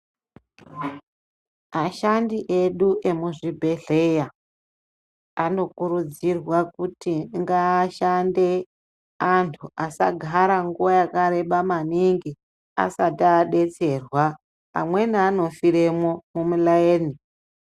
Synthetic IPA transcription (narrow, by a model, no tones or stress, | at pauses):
maʃandiʔe̞ɗuʔe̞muʐibʱe̞ɮe̞ja | ano̞kuɾud͡zirwakutiŋɡaːʃande̞ | antʰuʔasa̰ɡʱaɾaŋɡuʋajakaɾe̞ɓamaniŋɡi | a̰sataːɗe̞t͡se̞rwa | a̰mwe̞nano̞fiɾe̞mo̞mumulaeːni